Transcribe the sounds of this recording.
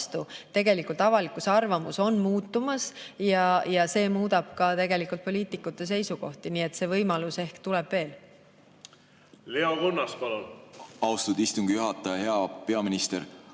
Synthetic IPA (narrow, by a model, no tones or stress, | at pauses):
st̪ut̪e̞ɡe̞likˑult̪ˑɑvɑlikˑusɑrvɑmuso̞nmuːt̪ːˑumɑsjɑjɑse̞ːmuːd̪ɑb̥̚kɑt̪e̞ɡe̞likːˑult̪̚po̞lʲiːt̪ˑikːˑut̪ːˑe̞se̞jsuko̞̰ht̪iniːe̞t̪se̞ːvɤjmɑluse̞hkt̪ulɛb̥ve̞ːl | leoɡonːɑspɑlonɑwst̪ud̪̥ist̪uŋɡ̥ijuɦɑt̪ːˑɑjɑhe̞ɑpe̞ɑminist̪eɾ